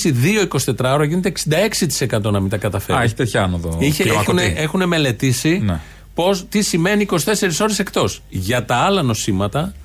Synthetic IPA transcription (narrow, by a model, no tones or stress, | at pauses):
siðio̞iko̞si̥t̪e̞t̪ɾɐoɾɐʝine̞t̪eksind̪ɐe̞ksit̪i̥se̞kɐt̪o̞nɐmint̪ɐkɐt̪ɐfeɾeçit̪et̪çɐɐnoðoieeɐuneexune̞me̞le̞t̪isin | po̞st̪isime̞niːko̞si̥t̪e̞se̞ɾiso̞ɾese̞kt̪o̞sʝɐt̪ɐɐlɐno̞simɐt̪ɐ